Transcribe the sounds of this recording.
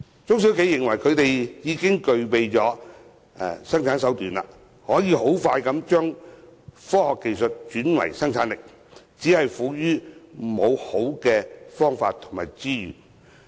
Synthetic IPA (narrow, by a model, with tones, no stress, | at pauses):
t͡sʊ˥ŋs̬i˨˥wke˨˧jːɪ˨˩ŋwɐ˨˩jkʰɵ˨˧ɥt̪e˨jjiː˨˧kɪ˥ŋkɵ˨ɥpe˨jt͡ʃɔː˨˥ | ɛ̰˨sɐ˥ŋt͡sʰaː˨˧˥ns̬ɐ˨˥wt̪yː˨nla̰ː˧ | hɔː˨˥jiː˨˧ho˨˥wfaː˧jkɐ˨˥mt͡ʃœː˥ŋ | fɔː˥hɔː˨kːe˨jsɵ˨t̚t͡ʃyː˨˥nwɐ̰˨˩jsɐ˥ŋt͡sʰaː˨˥nlɪ˨k̚ | t͡siː˨˥hɐ˨jfuː˨˥jyː˥mo˨˧who˨˥wkɛː˧fɔː˥ŋfaː˧t̚t̪ʰːʊ˨˩ŋma̰ː˨jt͡siː˥jy̰ː˨˩